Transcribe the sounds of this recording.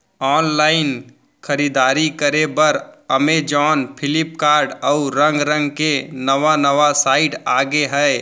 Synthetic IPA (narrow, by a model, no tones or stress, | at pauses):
ɔːnlaːɪn | kʰəɾid̪aːɾikəɾebəɾəmed͡ʒɔːnpʰɪlɪp̚kaːɾɖəuɾə̃ŋɡɾə̃ŋɡkenəʋanəʋasaːɪʈaːɡeɦɛj